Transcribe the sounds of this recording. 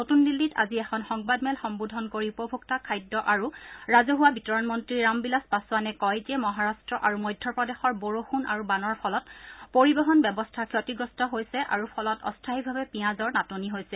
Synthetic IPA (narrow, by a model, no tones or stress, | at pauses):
notundilːita̰ziɛxʰɔnxɔŋbadmɛlxɔŋbudʱɔnkoɹiupobʱuktakʰajdːɔʔaɹuɹazɔɦuwabitɔɹɔnmɔntɹiɹɹambilaspasʊwanɛkɔjtiɛmɔɦaɹastɹɔʔaɹumɔjdʱːɔpɹɔdexɔɹboɹoxuna̰ɹubanɔɹpʰɔlɔtpoɹibɔɦɔnbɛbɔstʰakʰjɔtiɡɹɔstɔɦojsɛʔa̰ɹupʰɔlɔtɔ̰stʰaɦibʱabɛpijãzɔɹnatoniɦojsɛ